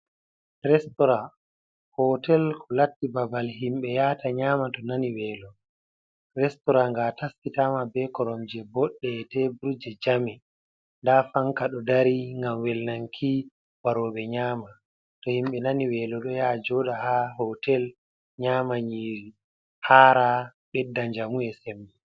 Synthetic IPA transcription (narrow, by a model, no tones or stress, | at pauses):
ɾɛstɔɾa | hɔtɛlkʰɔlatːibabalɦimɓɛjataɲaːmatɔnaniwɛːlɔ | ɾɛstɔɾaŋɡataskitamabɛkɔɾɔɲd͡ʒɛbɔɗːɛtɛbuɾud͡ʒɛd͡ʒami | ndafaŋkaɗɔdaɾiŋɡamwɛlnaŋkʰi | waɾɔːɓɛɲaːma | tɔhimɓɛnaniwɛːlɔɗɔjad͡ʒɔɗahaɦɔtɛl | ɲaːmaɲiːɾi | haːɾaɓɛdːaɲd͡ʒamuɛsɛmːɛ